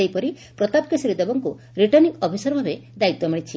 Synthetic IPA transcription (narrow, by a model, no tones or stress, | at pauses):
ejpɔɾi | pɾɔt̪apkɔsiɾed̪ebɔŋku | ɾiʈɔnikɔbʱisɔɾɔbʱabed̪ait̪ːɔmiɽ̃it͡ʃʰi